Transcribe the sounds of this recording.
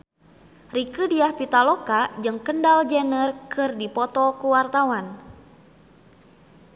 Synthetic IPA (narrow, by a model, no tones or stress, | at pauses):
rikɨdiahpit̪alɔkad͡ʒɨŋkəndald͡ʒɛnərkɨrdipɔt̪ɔkuwart̪awan